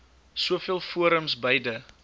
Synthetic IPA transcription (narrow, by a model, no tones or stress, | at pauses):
suəfiəlˠfuəɾəmsbəjdə